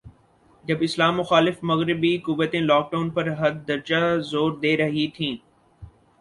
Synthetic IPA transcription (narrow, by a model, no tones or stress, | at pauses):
d͡ʒɐbɪslaːmːʊxaːlɪfmɐɣɾɪbikʊʋːət̪ẽlaːk̚ɖaːnpɐɾɦɐd̪̚ːɐɾd͡ʒazoːɾd̪eːɾɐɦit̪ʰĩː